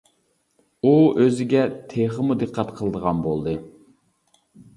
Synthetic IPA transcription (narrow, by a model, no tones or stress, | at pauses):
uøzɪɡʲɛt̪ʰeχəmud̪ɨqʰːɑt̪qʰəlˠəd̪əʁɑnbolˠd̪ɨ